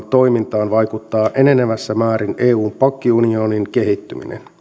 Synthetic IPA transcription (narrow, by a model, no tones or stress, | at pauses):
nt̪o̞jmint̪ɑːnʋɑjkut̪ːɑːʔe̞ne̞neʋæsːæmæːɾinʔeːuːmpɑkːiunio̞niŋke̞ɦit̪ːymḭnḛn